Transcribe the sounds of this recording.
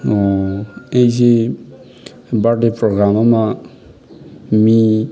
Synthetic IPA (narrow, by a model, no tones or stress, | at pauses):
ɔ | ejze | baɖepɾoɡɾamama | mi